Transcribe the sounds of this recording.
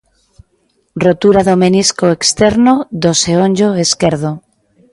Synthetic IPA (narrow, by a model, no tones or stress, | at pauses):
rot̪uɾaðomeniskoekst̪eɾnoðoseonʲd͡ʒoeskeɾð̞o